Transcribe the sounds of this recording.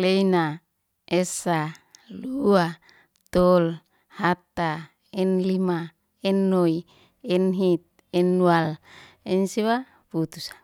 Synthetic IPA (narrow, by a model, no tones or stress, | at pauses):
leina | esalua | t̪ol | hat̪a | ɛnlima | ɛnːoi | ɛnɦit̪̚ | ɛnːual | ɛnsiwa | put̪usḁ